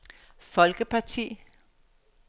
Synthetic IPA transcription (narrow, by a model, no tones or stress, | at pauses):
fɒ̽lɡ̥əpʰɑ̈t͡sʰḭː